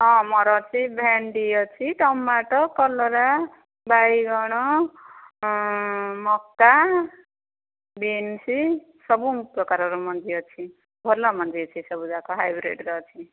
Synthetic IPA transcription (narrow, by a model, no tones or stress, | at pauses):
ʌ̃mʌɾʌt͡sʰibʱɛnɖijʌt͡sʰiʈʌmbaʈʌkʌlːɔɾa | bajɡʌɽ̃ɔ | mʌkːa | binsi | sʌbuŋprʌkaɾʌɾumʌnd͡zijʌt͡sʰi | bʱɔlʌmʌnd͡zijʌt͡sʰisʌbud͡zakoɦajbɾḛʈɾʌt͡sʰi